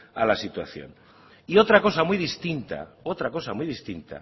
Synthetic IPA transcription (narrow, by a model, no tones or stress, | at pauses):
alasit̪wa̰θjo̰n | io̞t̪ɾako̞samjðist̪int̪a̰o̞t̪ɾako̞samuijðist̪int̪a̰